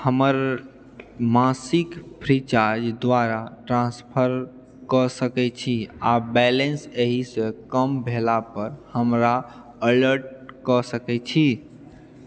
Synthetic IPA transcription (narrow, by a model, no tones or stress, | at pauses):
həməɾ | masikpʰɾit͡ʃaɾd͡ʒd̪ʋaɾaʈɾãnspʰəɾ | kəsəkɛt͡ʃʰiabɛlenseɦisẽkəmbʱelapəɾhəmɾa | ələɾʈ̚kəsəkɛt͡ʃʰi